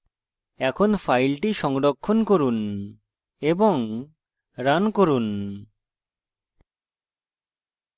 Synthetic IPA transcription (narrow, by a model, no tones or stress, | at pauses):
ɛkʰonfʰajlʈiʃɔŋɽokʰːonkoɾun | eboŋ | ɾankoɾun